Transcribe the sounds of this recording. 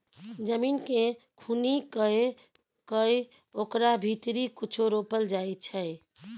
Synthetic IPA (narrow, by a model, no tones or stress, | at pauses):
d͡ʒəminkẽkʰunikəe | kəj | okɾabʱit̪ɾikut͡ʃʰoɾopəld͡ʒaet͡ʃʰəj